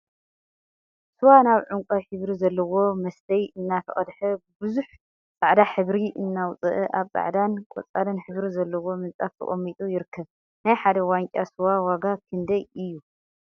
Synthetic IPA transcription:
sɨwanaβʕuŋkʷʼɐħɨβɾizɐlːɐwo̞mɐst̪ʰɐjɨnːat̪ʰɐχʼɐd̪ħɐbbɨzuħ | t͡sʼaʕd̪aħɨβɾiʔɨnːawt͡sʼɨ̰ʔɨʔaβt͡sʼa̰ʕd̪ankʼo̰t͡sʼalɐnħɨβɾizɐlːɐwo̞mɨnt͡sʼaft̪ʰɨ̰χʼomːit̪ʼujɪɾɨkʰːɐβ | najħad̪ɐwaŋkʼasɨwawaɡakʰɨnd̪ɐjɨjːu

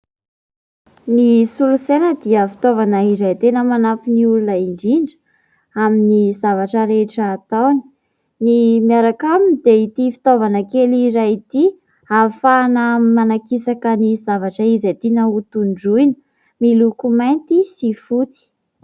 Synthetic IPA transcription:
nisulusenəd̪iəfi̥t̪ovanəizajt̪enəmanafiniulunaiɳɖ͡ʐiɳɖ͡ʐə | aminizavaʈ͡ʂəɾeʈ͡ʂəːt̪awni̥ | nimiaɾakaminid̪eit̪ifi̥t̪ovanəkeliɾait̪i | afanəmanakisakənizavaʈ͡ʂəizat̪inaut̪uɳɖ͡ʐujnə̥ | milukumajnt̪isifut̪i̥

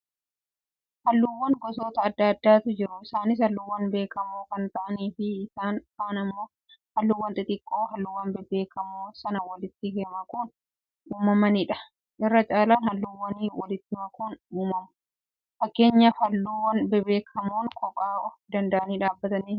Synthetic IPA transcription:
hɐlːuwːɐŋɡɔso̞ːt̪ɐːd̪ːɐɐd̪ːaːt̪ʊd͡ʒɪɾʊɪsaːnɪs̬hɐlːuwːɐnbe̞ːkʰɐmoːkɐnt̪ɐʔɐniːfɪːsaːnkaːnɐmːoː | hɐlːuwːɐnt̪ʼɪt̪ʼɪkʼːoːɦɐlːʊwːɐnbɛbe̞ːkʰɐmoːsɐnɐwɐlɪt̪ːɪheːmɐkʼuːn | uːmɐmɐniːᶑɐ̥ | ʔɪrːɐt͡ʃʼaːlaːnhɐlːuwːɐniːwɐlɪt̪ːɪmɐkʼuːnuːmɐmʊ̥ | fɐkːe̞ːɲːɐfɐlːuːwːɐnbɛbe̞ːkʰɐmoːŋkʼɔkʼaːʔɔfd̪ɐnd̪ɐʔɐniːᶑaːbːɐt̪ɐniː

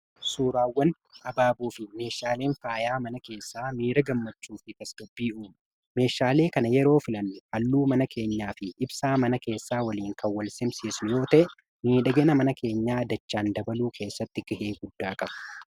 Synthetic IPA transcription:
suːɾaːwːɐn | ʔɐbaːbuːfɪme̞ːʃaːle̞ːnfaːjaːmɐnɐke̞ːsːaːmiːɾɐɡɐmːɐt͡ʃːuːfɪt̪ɐsɡɐbːiːuːm | me̞ːʃaːle̞ːkɐnɐjɛɾo̞ːfɪlɐnːʊhɐlːuːmɐnɐkʰe̞ːɲːaːfɪʔɪbsaːmɐnɐke̞ːsːaːwɐliːŋkɐwwːɐlsɪmsiːsnʊjo̞ːt̪ɐʔɛ | niːᶑɐɡenɐmɐnɐke̞ːɲːaːɐd̪ɐt͡ʃːaːnd̪ɐbɐluːkʰe̞ːsːɐt̪ːɪɡɐhe̞ːɡʊd̪ːaːkʼɐb̥ɐ̥

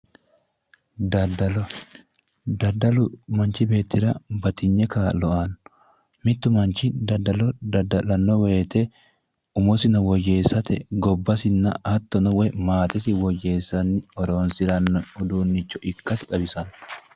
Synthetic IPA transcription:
d̪ɐdɐl | d̪ɐdɐmɐnt͡ʃɪbe̞ːt̪ːɪɾɐbɐt̪ɪɲːɛkaːlɔʔɐn | mɪt̪ːʊmɐnt͡ʃɪd̪ɐd̪ːɐlɔd̪ɐd̪ɐlɐnːɔwe̞ːt̪ɛ | ʊmɔsɪnɐwɔje̞ːsɐt̪ɛɡɔbːɐsɪnːɐʔɐt̪ːɔnɐwɛmaːt̪ɪsɪwɔje̞ːsːɐnːɪɔɾoːnsɪɾɐnːɔʊd̪uːnːɪt͡ʃːɔʔɪkːɐsɪᶑɐbɪsɐn

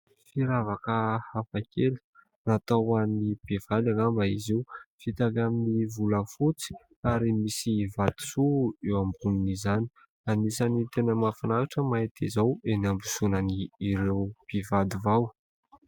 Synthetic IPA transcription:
fiɾavakəhafakʰeli̥ | nat̪awanib̥ev̥ad̪aŋambaizeufit̪akaminivuləfut͡si̥ | aɾimisivad̪̥i̥suewambuninizani̥ | anisanit̪enəmafanaɾaʈ͡ʂəmait̪ʰizawenambusunaniːɾewb̥ivad̪ivaw

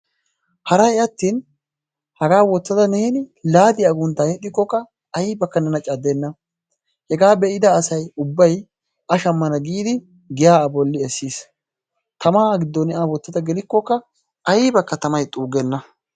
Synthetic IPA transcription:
hɐɾɐjɐt̪ːiːn | hɐɡaːwɔt͡sːɐd̪ɐnɛhɛnɪlaːd̪ɪjaɡʊnt̪ːaːɛt̪ːɪkːɔkːɐ | ɐjiːbɐkːɐnɛnɐt͡ʃʼɐd̪ːenːɐ | hɛɡaːbɛʔɪd̪ɐːsɐjʊbːɐj | ɐʃɐmːɐnɐɡiːd̪ɪ | ɡɪjaːɐbɔlːɪɛsːiːs | t̪ɐmaːɡɪd̪ːɔnɛʔaːwɔt͡sːɐd̪ɐɡɛlɪkːɔkːɐ | ɐjibɐkːɐt̪ɐmɐjt̪ʼuːɡɛnːɐ

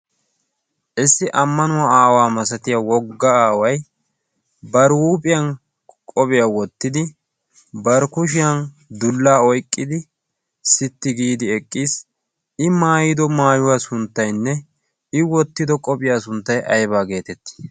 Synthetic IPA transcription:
ʔɪsːɪʔɐmːɐnʊwaaːwaːmɐsɐt̪ɪjawɔɡːɐaːwɐj | bɐɾwuːpʼɪjɐn | kʼɔbɪjawɔt̪ːɪd̪ɪ | bɐɾkʊʃɪjɐn | d̪ʊlːaːɔjkʼːɪd̪ɪ | sɪt̪ːɪɡiːd̪ɪɛkʼːiːs | ɪmaːjɪd̪ɔmaːjʊwasʊnt̪ːɐjnːɛ | ɪwɔt̪ːɪd̪ɔkʼɔpʼɪjaːsʊnt̪ːɐjʔɐjbaːɡe̞ːt̪ɛt̪ːi̥

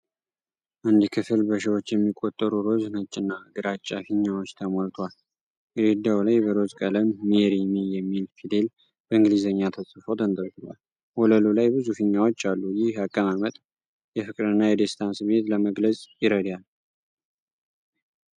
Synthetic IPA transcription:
ʔand̪ikʰɨfɨlbəʃ̬iwot͡ʃːjɛmːikʼːo̞t̪ʼːəɾuɾo̞znət͡ʃʼːɪnːaɡɨɾat͡ʃʼːafiɲːawo̞t͡ʃːt̪ʰəmolt̪ʰwal | ɡɾed̪awlajbəɾo̞zkʼələmːeɾimijɛmːilfid̪e̞l | b̥əɨŋɡlizəɲːat̪ʰəsʼɨfod̪ənd̪əɾɡ̪ɨlwa̰l | holəlulajbɨzufɨɲːawo̞t͡ʃːalːujɪhakʼːəmamət̪ʼ | jɛfɨkʼɾɨnːajɛd̪est̪ʰansɨmːet̪ləməɡləsʼjɪɾəd̪jal

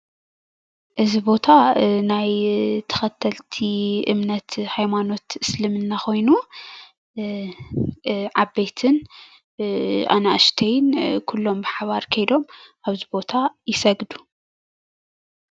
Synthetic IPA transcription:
ʔɨzibo̞t̪ʰanajt̪ʰɐ̥xɐt̪ʰːɐlt̪ʰiʔɨ̰mnɐt̪hajmano̞t̪ɨslɨmɨnːaxo̞jnu | ʕabet̪ʰɨn | ʔa̰naʔɨʃt̪ʰejnkʰulːo̞mbɨħaβaɾkʰɐjd̪o̞mʔaβzibo̞t̪ʰajɪsɐɡd̪u

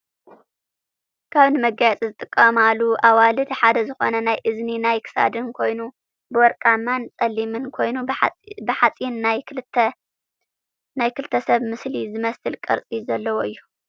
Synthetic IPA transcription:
kʰaβnɨmɐɡajat͡sʼizɨt̪ʼɨkʼːɐmaluʔawalɨd̪ħad̪ɐzɨxonɐnajʔɨzninajkʰɨ̥sa̰d̪ɨnkʰo̞jnu | bɨwɔɾkʼamːant͡sʼɐlːimɨnkʰo̞jnubɨħat͡sʼinːaj̪ | najkʰɨlɨt̪ʰːɐsɐβmɨslizɨmɐsɨlkʼɐ̰ɾt͡sʼizɐlːɐwoɨjːu

